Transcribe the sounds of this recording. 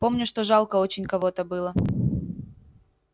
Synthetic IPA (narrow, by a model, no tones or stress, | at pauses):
po̞mnʲʊʂt̪oʐɑlˠkəot͡ɕɪnʲkɐvot̪əbɨlˠə